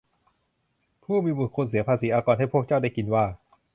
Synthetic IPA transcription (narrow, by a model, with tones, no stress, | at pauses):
pʰuː˥˩miː˧bu˨˩kʰo˧ns̬iː˨˩˦ɐpʰaː˧siː˩˦ʔaː˧kɔː˧nɦa˥˩pʰu˥˩ək̚t͡ɕa˥˩wda˥˩jki˧nwaː˥˩